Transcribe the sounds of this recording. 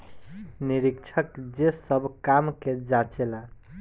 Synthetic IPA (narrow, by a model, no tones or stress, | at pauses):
niɾikt͡ʃʰəkd͡ʒesəbʱkamked͡ʒat͡ʃela